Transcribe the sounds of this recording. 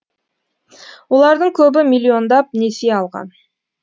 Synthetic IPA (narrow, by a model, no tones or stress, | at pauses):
wo̞lˠɑɾd̪əɴkʲʰɵbɪmilʲːio̞nd̪ɑp̚neseɑlˠʁɑ̰n